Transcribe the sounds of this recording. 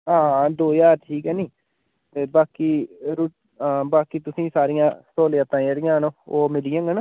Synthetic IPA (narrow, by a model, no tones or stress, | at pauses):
ãːd̪oːjaːt̪ʰiːkɛːniː | t̪eːbaːkiːɾu | baːkiːt̪ʊsĩːsaːɾɪjãːsoːleat̪ãːəɾɪjãːnõːoːmɪlɪjãːŋɡən